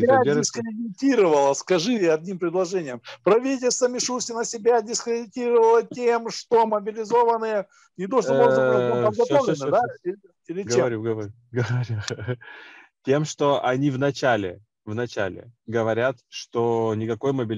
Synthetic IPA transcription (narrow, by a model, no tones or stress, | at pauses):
adɪskɾʲɪdʲɪtʲiɾəvəlˠəskɐʐɨɐd̪̚ʲnʲimpɾʲɪd̪lˠɐʐɛnʲɪjəmpɾɐvʲit̬ʲɪlʲst̪vəmʲɪʂusʲɪnəsʲɪbʲadʲɪskɾʲɪdʲɪtʲiɾəvəlˠətʲemʂt̪oməbʲɪlʲɪzo̞vənːɨjə | nʲɪd̪oʐb̪ˠzɐpəd̪ɡɐt̪ovlɪnɨd̪aɪɾʲɪ | pʲɪɾʲɪɡeɐɾʲuɡəvɐɾ | ɡəvɐɾʲu | tʲe̞mʂt̪o̞ʔɐnʲivnɐt͡ɕælʲɪ̰ | vnɐt͡ɕæ̰lʲɪ̰ɡəvɐɾʲat̪ʂt̪onʲɪkɐko̞jməbʲɪlʲ